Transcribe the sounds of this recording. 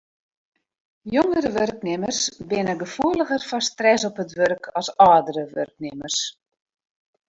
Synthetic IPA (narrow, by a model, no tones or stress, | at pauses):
joŋəɾəʋørknɪmərsbɪnəɡəfuələɣərfɔstrɛsɔpətʋørkʰɔsɔːdəɾəʋø̰rk̚nɪmərs